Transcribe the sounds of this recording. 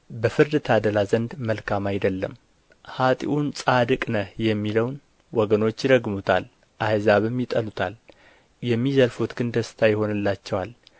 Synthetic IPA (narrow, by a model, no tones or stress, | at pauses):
bəfɨɾd̪t̪ʰad̪əlazənd̪məlkʰamajd̪əlːəm | hat̪ʼḭʔunsʼad̪ɨkʼnəhjɛmːiləwn | wɔɡəno̞t͡ʃːjɪd̪əɡmut̪ʰa̰l | ʔajzaβɨmjɪt̪ʼəlut̪ʰal | jɛmːizəlfut̪ɡɨnd̪əst̪ʰajɪho̞nɨlːat͡ʃːɛwal